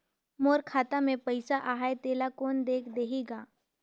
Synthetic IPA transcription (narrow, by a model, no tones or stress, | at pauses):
moːɾkʰaːt̪amẽpəɪsaʔaːɦaet̪eːlakoːnd̪eːkʰd̪eːɦeːɡaː